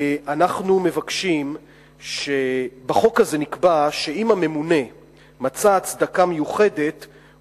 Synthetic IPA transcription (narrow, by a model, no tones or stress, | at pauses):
anaχnume̞vakʃim | ʃe̞baχo̞khaze̞nikbaʃe̞imame̞mune̞ | mat͡saːt͡sd̪akamejuχe̞de̞t